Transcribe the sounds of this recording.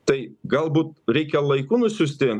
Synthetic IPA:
t̪ɐɪɡɐlˠbuːt̪ɾʲɛɪkʲɛlˠɐɪkuːnʊsʲʊsʲt̪ʲɪ

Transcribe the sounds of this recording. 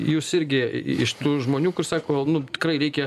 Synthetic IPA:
juːsɪɾʲɡʲɪɪ̰ʃt̪uːʒmoːnʲuːkʊrsɑːkoːnʊt̪ʲɪ̥krɐɪɾʲɛɪkʲɛ

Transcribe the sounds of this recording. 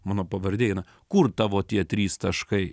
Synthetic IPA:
mɑːnoːpɐʋɐɾʲd̪ʲeːjɪnɐ | kʊrt̪ɑːʋoːt̪ʲiɛt̪ʲɾʲiːst̪ɐʃkɐɪ

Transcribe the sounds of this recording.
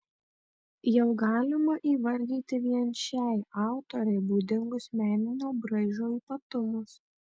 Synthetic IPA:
jɛʊɡɑːlʲɪmɐʔiːʋɐɾʲd̪ʲiːt̪ʲɪʋʲiɛnʲʃʲæɪɑˑʊt̪oɾʲɛɪbuːd̪ʲɪŋɡʊsmʲæːnʲɪnʲoːbɾɐɪʒʲoːiːpɐt̪ʊmʊs

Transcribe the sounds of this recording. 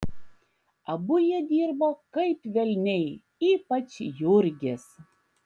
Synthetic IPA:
ɐbʊjɛd̪ʲiːɾboːkɐɪpʋʲɛlʲnʲɛɪ | iːpɐt͡ʃjʊɾʲɡʲɪs

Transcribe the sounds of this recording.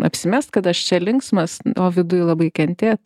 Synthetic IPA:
ɐ̰pʲsʲɪmʲɛst̪kɐt̪ɐʃt͡ʃʲɛlʲɪŋksmɐsoːʋʲɪd̪ʊjlˠɐbɐɪkʲɛnʲt̪ʲeːt̪

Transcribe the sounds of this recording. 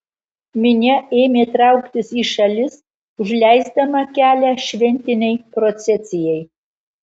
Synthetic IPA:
mʲɪnʲɛeːmʲeːt̪ɾɑˑʊkt̪ʲɪsiːʃɐlʲɪs | ʊʒʲlʲæjzd̪ɐmɐkʲæːlʲæʃʲʋʲɛnʲt̪ʲɪnʲɛɪpɾot͡sʲɛsʲɪjɛj

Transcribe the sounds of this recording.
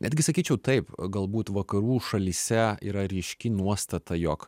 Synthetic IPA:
nʲɛd̪ʲɡʲɪsɐkʲiːt͡ʃʲɛʊt̪ɐɪpɡɐlˠbuːt̪ʋɐkɐɾuːʃɐlʲiːsʲɛḭːɾɐɾʲɪʃʲkʲɪnuɔst̪ɐt̪ɐjoːk

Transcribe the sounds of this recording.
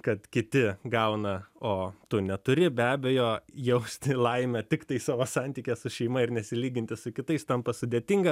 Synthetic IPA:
kɐt̪kʲɪt̪ʲɪɡɐʊnɐoːt̪ʊnʲɛt̪ʊɾʲɪbʲæːbʲɛjoːjɛʊsʲt̪ʲlˠɐɪmʲɛt̪ʲɪkt̪ɐɪsɑːʋoːsɐnʲt̪ʲiːkʲɛsʊʃʲɛɪmɐɪɾnʲɛsʲɪlʲiːɡʲɪnʲt̪ʲɪsʊkʲɪt̪ɐɪst̪ɐmpɐsʊd̪ʲeːt̪ʲɪŋɡɐ

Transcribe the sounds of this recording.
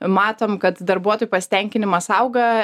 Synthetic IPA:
mɑːt̪oːmkɐt̪d̪ɐɾbuɔt̪oːjupɐsʲɪ̥t̪ʲɛŋʲkʲɪnʲɪmɐsɐʊɡɐ

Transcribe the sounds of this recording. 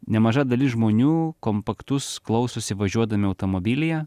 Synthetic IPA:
nʲɛmɐʒɐd̪ɐlʲɪsʒmoːnʲuːkompɐkt̪ʊsklˠɐʊsʊsʲɪʋɐʒʲuɔd̪ɐmʲɪɐʊt̪omobʲilʲɪjɛ

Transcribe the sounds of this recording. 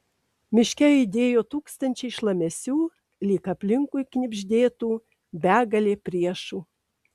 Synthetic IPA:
mʲɪʃʲkʲɛɪd̪ʲeːjoːt̪uːkst̪ɐnʲt͡ʃʲɛɪʃlˠɐmʲɛsʲuː | lʲiːkɐpʲlʲɪŋkuɪknʲɪbʲʒʲd̪ʲeːt̪uː | bʲæːɡɐlʲeːpʲɾʲiɛʃuː

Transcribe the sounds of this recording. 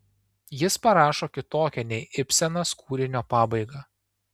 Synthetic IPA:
jɪspɐɾɑːʃoːkʲɪt̪oːkʲɛnʲɛɪʔɪpʲsʲɛnɐskʰuːɾʲɪnʲoːpɑːbɐɪɡɐ

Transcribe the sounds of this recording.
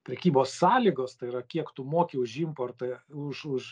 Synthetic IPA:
pʲɾʲɛkʲiːboːsːɑːlʲiːɡoːst̪ɐɪiɾɐkʲiɛkt̪ʊmoːkʲɪʊʒɪmpoːrt̪ɐʊʃʊʃ

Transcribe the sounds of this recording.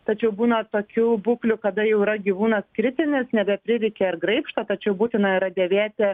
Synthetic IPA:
t̪ɐt͡ʃʲɛʊbuːnɐt̪oːkʲubuːklʲʊkɐd̪ɐjɛʊiɾɐɡʲiʋuːnɐskɾʲɪt̪ʲɪnʲɪsnʲɛbʲɛpʲɾʲɪɾʲɛɪkʲɛɪrɡɾɐɪpʃt̪ɐt̪ɐt͡ʃʲɛʊbuːt̪ʲɪnɐiɾɐd̪ʲɛʋʲæːt̪ʲɛ

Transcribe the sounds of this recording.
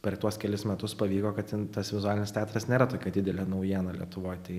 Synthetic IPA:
pʲɛɾt̪uɔskʲɛlʲɪsmʲɛt̪ʊspɐʋʲiːkoːkɐt̪ʲɪnt̪ɐsʋʲɪzʊaːlʲɪnʲɪst̪ʲæːt̪ɾɐsnʲeːɾɐt̪oːkʲɛd̪ʲɪd̪ʲɛlʲeːnɐʊjiɛnɐlʲiɛ̰t̪ʊʋoːjt̪ɐɪ

